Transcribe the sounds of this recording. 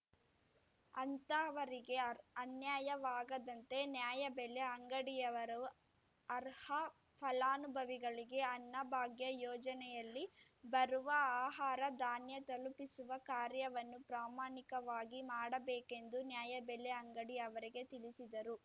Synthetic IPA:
ɐnt̪ɐʋɐɾiɡe̞ɐnjaːjɐʋaːɡɐd̪ɐnt̪e̞njaːjɐbɛleɐŋɡɐɽijɐʋɐɾɐ | ɐɾhɐ | pʰɐlaːnubʱɐʋiɡɐɭiɡe̞ɐnːɐbʱaːɡjɐjɔːd͡ʒɐnɛjɐlːi | bɐɾuʋɐaːɦaːɾɐd̪aːnjɐt̪ɐlupisuʋɐkaːɾjɐʋɐnːupɾaːmaːɳikɐʋaːɡimaːɽɐbeːke̞nd̪unjaːjɐbɛleɐŋɡɐɽijɐʋɐɾiɡe̞t̪ilisid̪ɐɾu

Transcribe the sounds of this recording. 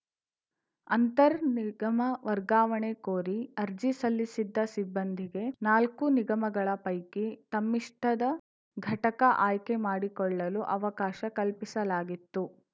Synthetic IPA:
ɐnt̪ɐɾniɡɐmɐʋɐɾɡaːʋɐɳekoːɾiɐɾd͡ʒisɐlːisid̪ːɐsibːɐnd̪ʱiɡe̞naːlkuniɡɐmɐɡɐɭɐpɐjkit̪ɐmːiʂʈʰɐd̪ɐ | ɡʱɐʈɐkɐʔaːjkemaːɽikɔɭːɐluʔɐʋɐkaːʃɐkɐlpisɐlaːɡit̪ːu

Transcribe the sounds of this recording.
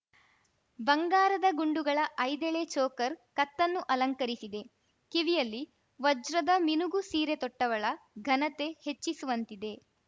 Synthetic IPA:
bɐŋɡaːɾɐd̪ɐɡuɳɖuɡɐɭɐʔɐjd̪eɭet͡ʃɔːkɐɾkɐt̪ːɐnːuʔɐlɐŋkɐɾisid̪e̞ | kiʋijɐlːi | ʋɔd͡ʒɾɐd̪ɐminuɡusiːɾe̞t̪ɔʈːɐʋɐɭɐɡʱɐnɐt̪e̞he̞t͡ʃːisuʋɐnt̪id̪e̞

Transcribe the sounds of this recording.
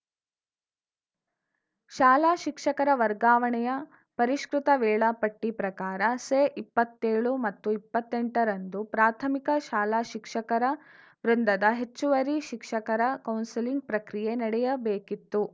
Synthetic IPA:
ʃaːlaːʃikʂɐkɐɾɐʋɐɾɡaːʋɐɳɛjɐ | pɐɾiʃkɾut̪ɐʋɛːɭɐpɐʈːipɾɐkaːɾɐseːʔipːɐt̪ːeːɭumɐt̪ːuipːɐt̪ːeɳʈɐɾɐnd̪upɾaːt̪ʰɐmikɐʃaːlaːʃikʂɐkɐɾɐ | ʋɾund̪ɐd̪ɐɦet͡ʃːuʋɐɾiʃikʂɐkɐɾɐkɐwnsiliŋɡ̚pɾɐkɾije̞nɐɽɛjɐbeːkit̪ːu

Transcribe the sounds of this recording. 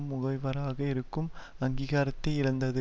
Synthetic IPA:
mːʊɣɐɪʋɐɾaːɣɐɪɾɯkːɯm | ɐŋɡiːɣaːɾɐt̪ːɐɪɪɻɐnd̪ɐðɯ

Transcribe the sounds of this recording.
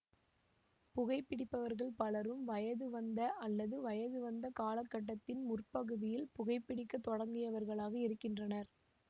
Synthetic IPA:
pʊɣɐɪpːɪɽɪpːɐʋɐɾɣɐɭpɐɭɐɾɯmʋɐjɐðɯʋɐnd̪ɐʔɐlːɐðɯʋɐjɐðɯʋɐnd̪ɐkaːlɐkːɐʈ̬ːɐt̪ːɪnmʊrpɐɣɯðɪjɪlpʊɣɐɪpːɪɽɪkːɐt̪ːɔɽɐŋɡɪjɐʋɐɾɣɐɭaːɣɐɪɾɯkːɪndrɐnɐɾ

